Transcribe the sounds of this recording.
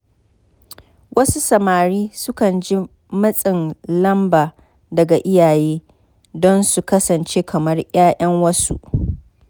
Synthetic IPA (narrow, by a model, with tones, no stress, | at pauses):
wʔɐ˦su˦sɐ˨maː˨ɾiː˦sʊ˦kɐ˨nd͡ʒi˦ | mɐ˦sʼɪ˨nlɐ˦mbaː˨ | dɐ˨ɡa˨ʔɪ˦jaː˨jeː˦ | dɔ˦nsu˨kɐ˦sɐ˨nt͡ʃeː˦kʰɐ˨mɐ˦rj̰aː˦ʔɐ˦ŋwɐ˦sṵ˦ʔ